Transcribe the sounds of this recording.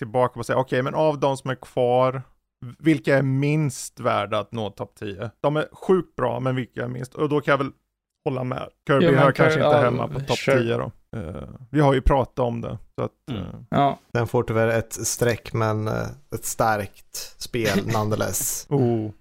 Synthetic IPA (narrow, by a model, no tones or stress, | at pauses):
t̪ʰɪlbɑːkapɔsɛjːaɔkʰɛjmɛnavd̪ɔmsɔmæɾkʰv̥ɑːɾ | vɪlkaæɾmɪnst̪væːɖaat̪noːt̪ʰɔpt̪ʰiːəd̪̥ɔmæɾɧʉ̟ːk̚t̪̚bɾɑ̰ːmɛnvɪlkaɛɾmɪ̰nst̪ɔd̪ɔkʰanjavɛl | hɔlːa̰mɛ̰kʰœːɾbɪɦɑːɾkʰanʂəɪnt̪əɦɛmːa̰pʰɔt̪ʰɔp̚ːt̪ʰiːəɾɔ̰ | vɪhaɾjɵpʰɾɑːt̪aɔmd̪ɛ̰sɔa̰t̪ | d̥̪ɛnfoːʈʉvɛɾɛt̪st̪ɾɛkːmɛnɛt̪st̪aɾkt̪speːlnand̪əlɛ̰suː